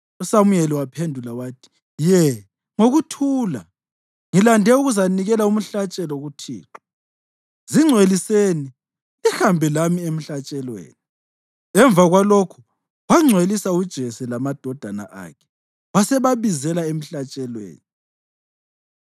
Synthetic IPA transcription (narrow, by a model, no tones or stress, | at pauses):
usamujɛliwapʰendʱulawaːtʰi̥ | jɛ | ŋoɣutʰuːla̰ | ŋilandʱɛuɣuzaniɣɛlaum̩ɬat͡ʃʼɛlɔɣutʰḭːǃa | ziŋ͡ǀʱweliseni | ihambʱɛlamiem̩ɬat͡ʃʼɛlwḛːni | ɛɱb̪vaɣwalokʰu̥ | waŋ͡ǀʱwelisaud̥ʒ̥ʱɛsɛlamad̥ʱɔd̥ʱana̰ʔa̰kʰɛ̥ | wasɛβaβizɛlaem̩ɬat͡ʃʼɛlwḛːni